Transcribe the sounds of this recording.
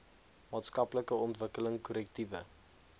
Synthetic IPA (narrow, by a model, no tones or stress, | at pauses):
mɑːtskɐpləkəɔntvəkələŋkɔɾɛk̚tivə̰